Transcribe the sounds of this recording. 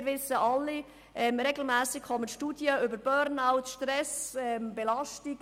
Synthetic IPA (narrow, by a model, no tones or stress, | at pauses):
ɾʋɪsəʔɑlːi | ʔɛmɾɛɡl̩mæːsɪkχɔmənʃtudjəʏbəɾb̥œɾnaʊtʃtɾɛsɛmbɛlɑʃtik